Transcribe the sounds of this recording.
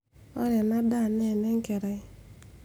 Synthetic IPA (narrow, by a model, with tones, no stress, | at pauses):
ɔ̰˦ɾɛ˨na˦da˦˨nɛ˦˨nɛ˦ŋ˦kɛ˨ɾa˨ɪ˦